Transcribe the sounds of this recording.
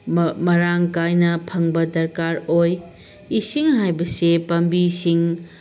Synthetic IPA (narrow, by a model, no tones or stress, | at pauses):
mɐɾaŋkajnɐpʰɐŋbɐdɐɾkaɾoj | isiŋɦajbɐsepɐmbisiŋ